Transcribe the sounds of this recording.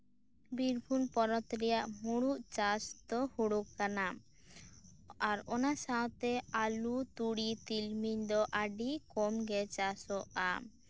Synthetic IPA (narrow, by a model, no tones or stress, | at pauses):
biɾbʱunpɔɾɔt̪ɾijaʔmuɽuʔt͡ʃast̪ɔhuɽukkanam | aɾɔnasawt̪ɛalut̪uɽit̪ilmiɲd̪ɔʔaɖikɔmɡɛt͡ʃasɔʔa